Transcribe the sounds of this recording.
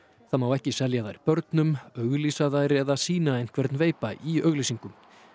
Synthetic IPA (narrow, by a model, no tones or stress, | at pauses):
θamawɛhcɪsɛljaðajɾpœɾt̪nʏmœɣlisaðajɾɛðasiːnaɛjn̥kʰvɛɾt̪nveːjpaʔiœɣlisiŋkʏm